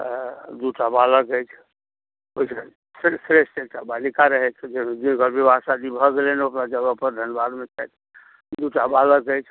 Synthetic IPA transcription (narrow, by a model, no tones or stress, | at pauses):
d̪uʈabaləkəjt͡ʃʰ | oise | ssɾesʈeʈabalikaɾəɦɛt͡ʃʰd͡ʒeed̪inɡəɾbʱibʱasad̪ibʱɔɡeleneəpnad͡ʒəɡəpəɾd̪ʱənbad̪met͡ʃajt̪ʰ | d̪uʈabaləkəjt͡ʃʰ